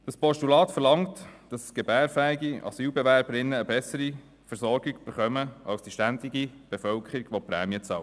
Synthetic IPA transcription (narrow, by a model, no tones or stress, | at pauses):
d̥ɑspɔʃtulɑːtfəɾlɑŋtd̥ɑsɡ̥ebæːɾfæːɪɡiɑ̰syːlbɛʋæɾbəɾɪnːəːbɛsəɾi | fəɾsɔɾɡɪɡyb̥əɾχœməʔɑlsd̥iʃtændɪɡib̥efœlkχəɾiɡ̥ʋɔpɾæ̰ːmjət͡sɑlə